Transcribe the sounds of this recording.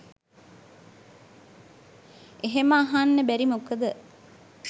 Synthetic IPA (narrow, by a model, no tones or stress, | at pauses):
eɦeməaɦanːəbæɾimokəd̪ə